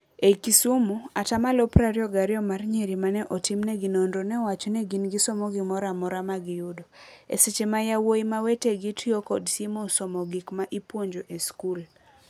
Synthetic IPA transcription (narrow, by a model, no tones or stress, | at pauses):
ekisumuatamalɔpɾaɾjɔɡaɾjɔmarɲeɾimanɛʔɔtimnɛɡinondonɛwat͡ʃɔnɛɡinɡɪsɔmɔɡɪmɔɾamɔɾamaɡɪjudoḛset͡ʃemajawojimaweteɡitʰjokɔdsimɔsɔmɔɡikmaʔipwoɲd͡ʒoʔeskul